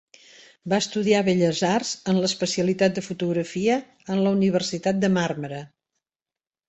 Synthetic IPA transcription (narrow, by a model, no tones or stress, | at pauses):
baəst̪uðiaβeʎəzarz̥ənləspəsiəlit̪at̪̚d̪əfut̪uɣɾəfiəː | nləuniβ̞ərsit̪at̪̚d̪əmarməɾə